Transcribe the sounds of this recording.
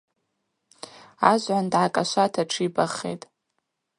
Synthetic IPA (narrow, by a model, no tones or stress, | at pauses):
aʒʷʕandʕakʼaʃʷatʰaʈ͡ʂʰibaχḛjtʼ